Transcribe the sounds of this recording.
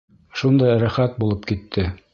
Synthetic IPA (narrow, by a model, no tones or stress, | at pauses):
ʃund̪ɑjɾæχæt̪̚bulˠɤpkit̪ʰːɘ